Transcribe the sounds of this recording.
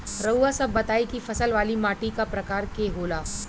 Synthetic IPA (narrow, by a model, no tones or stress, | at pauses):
ɾɐasɐbːɐt̪aːikifɐsəlʋaːlimaːʈikapɾɐkaːɾkeːɦoːlaː